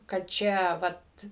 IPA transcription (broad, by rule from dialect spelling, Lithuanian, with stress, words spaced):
kɐt ˈt͡ʃʲɛ ˈʋɐt